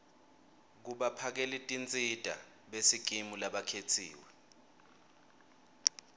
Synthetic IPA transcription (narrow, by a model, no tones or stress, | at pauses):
k̬uɓapʰak̬ɛlitʼint͡sʼid̥ʱa̰ | ɓesiɡ̥ʱimulaɓakʰetʰḭːwɛ